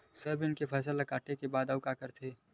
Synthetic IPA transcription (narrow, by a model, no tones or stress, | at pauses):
sɐbʱɪnkepʰɛːs̬əlakaːʈekebaːd̪əwkakəɾt̪ʰeː